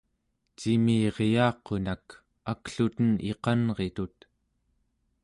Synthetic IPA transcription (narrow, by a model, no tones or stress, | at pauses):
t͡ʃimiːʁejɑːqo̞nak | akɬut̪ənḛqɑnʁe̞t̪ut̪